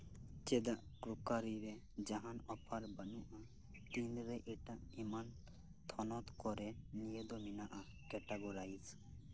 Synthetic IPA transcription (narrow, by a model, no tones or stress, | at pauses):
t͡ʃed̪aʔkɾukaɾiɾe | d͡ʒaɦanɔpʰaɾbənuʔa | t̪inɾɛʔeʈaʔiman | t̪ʰɔnɔt̪kɔɾɛnijed̪ɔminaʔa | kɛʈaɡoɾajs